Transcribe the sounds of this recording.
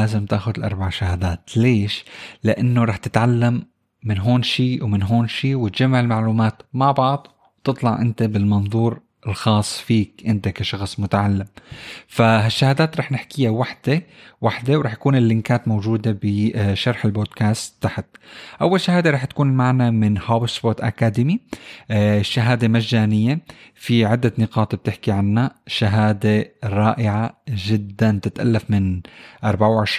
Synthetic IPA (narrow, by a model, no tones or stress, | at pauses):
aːzɪmt̪aːxʊd̪ɪlʔɑɾˤbaʕʃahaːd̪aːt̪leːʃlɪʔanːoɾˤɑːħt̪ɪt̪ʕalːamː | ɪnɦoːnʃiːwmɪnɦoːnʃiːwɪt̪ʒamːaʕɪlmaʕluːmaːt̪maʕbɑʕd̪ˤ | wt̪ɨt̪ˤlɑʕʔɪnt̪abɪlmɑnðˤuːɾ | ʔɪlxɑːsˤːfiːkʔɪnt̪akaʃɑxsˤmʊt̪aʕalːɪmfaɦaʃːahaːd̪aːt̪ɾˤɑːħnɪħkɪjawaħd̪̥ewaħd̪ewɾˤɑːħt̪ḁkuːnɪlːɪŋkaːt̪mowʒuːd̪ebɪʃɑɾˤħɪlboːd̪kaːst̪ːaħt̪̚ʔawːalʃahaːd̪eɾˤɑːħt̪ḁkuːnɪlmaʕnamɪnhabsbot̪ʔa̰kaːd̪ɪmi | ʃːaɦaːd̪emaʒːaːnɪjːefiʕɪd̪ːanɪqɑːt̪b̚t̪ɪħkiʕanːaʃaɦaːd̪eɾˤɑːʔɪʕaʒɪd̪ːant̪ɪt̪ʔa̰lːafmɪnʔɑɾˤbaʕawʕɪʃ